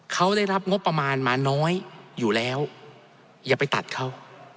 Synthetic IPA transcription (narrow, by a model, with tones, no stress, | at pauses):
kʰa˦˥wdaː˥˩jɾa˦˥p̚ŋo˦˥pːɾa˧maː˧nmaː˧nɔː˦˥jːuː˨˩lɛː˦˥w | jaː˨˩pa˧jt̪a̰˨˩t̪̚kʰa˦˥w